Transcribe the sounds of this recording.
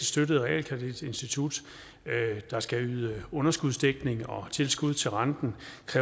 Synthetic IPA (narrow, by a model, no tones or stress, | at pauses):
sd̥ødəð̞̩ˠʁɛɛ̰ːlkʰɛd̥id̥e̝nsd̥it͡sʰud̥ | d̥ɑ̈sɡ̥æyːðˠəɔ̽nɐsɡ̥uðˠsd̥eɡ̥ne̝ŋɒ̽t͡sʰe̝lsɡ̥uð̞̰ˠt͡sʰe̝lʁɑ̈nd̥n̩kʰʁɛ